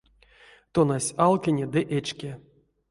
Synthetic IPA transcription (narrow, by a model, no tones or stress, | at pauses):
t̪onasʲalˠkʲenʲed̪ɨʔet͡ʃkʲe